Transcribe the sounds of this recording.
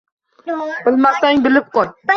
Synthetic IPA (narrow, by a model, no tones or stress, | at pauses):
b̥ɪlmasaŋbɪlɪp̚qɒl